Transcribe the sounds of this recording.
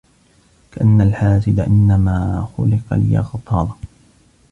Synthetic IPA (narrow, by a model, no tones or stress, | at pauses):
kaʔanːalħaːsɪd̪aʔɪnːamaːxʊ̰lɪqɑ̰lɪja̰ːxɑt̪ˤɑːlɑ